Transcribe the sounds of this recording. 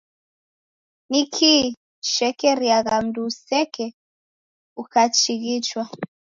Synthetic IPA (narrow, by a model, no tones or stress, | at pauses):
nikʰi | ʃɛkɛɾiaɣam̩dusɛkɛ | ukat͡ʃiɣit͡ʃwa